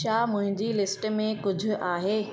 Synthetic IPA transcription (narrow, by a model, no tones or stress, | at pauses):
ʃaːmʊ̃ɦɪ̃ɲd͡ʑilɪsʈmẽkʊd͡ʑʱʊ̆ʔaːɦeː